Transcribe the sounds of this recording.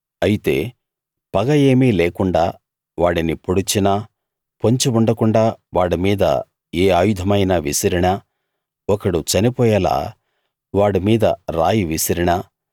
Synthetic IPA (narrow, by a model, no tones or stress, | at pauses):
ɐjit̪e̞ː | pɐɡɐje̞ːmiːleːkuɳɖaː | ʋaːɽinipoɽit͡ʃinɐ | poɲt͡ʃiuɳɖɐkuɳɖaːʋaːɽimiːd̪ɐ̰ | eːaːjud̪ʱɐmɐjnɐʋisɐɾiɳɐ | ɔkɐɽut͡ʃɐnipɔːjɐla̰ː | ʋaːɽimiːd̪ɐ̰ɾa̰ːjiʋisɐɾiɳɐ